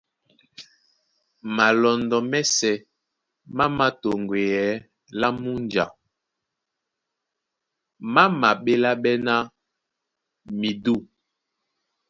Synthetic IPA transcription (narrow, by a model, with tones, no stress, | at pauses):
ma˨lɔ˨ndɔ˨mɛ˦sɛ˨ | ma˦ma˦to˨ŋɡwe˨jɛ˨˦ | la˦mu˦nd͡ʒa̰˨ | ma˦ma˨ɓe˦la˦ɓɛ˦na˦ | mi˨du˦˨